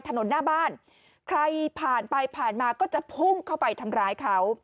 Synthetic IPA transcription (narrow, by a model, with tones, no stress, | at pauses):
t̪ʰa˧no˩˦nːaː˥˩baː˥˩n | kʰɾa˧jpʰaː˨˩npa˧jpʰaː˨˩nmaː˧kɔː˥˩t͡ɕa˨˩pʰu˥˩ŋkʰa˥˩wpa˧jt̪ʰa˧mɾaː˧jkʰa˦w